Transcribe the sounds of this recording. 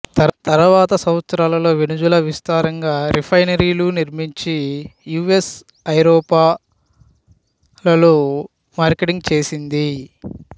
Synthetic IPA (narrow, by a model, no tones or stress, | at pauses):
t̪ɐɾʋaːt̪ɐsɐmɐt̪sɾaːlɐlo̞ːʋinud͡ʒulɐʋist̪aːɾɐŋɡaːɾipʰɐjnɐɾiːluniɾmiɲt͡ʃijuːes | ɐjɾɔːpaː | lɐlu | maːɾkeʈiŋɡ̚t͡ʃe̞ːsind̪i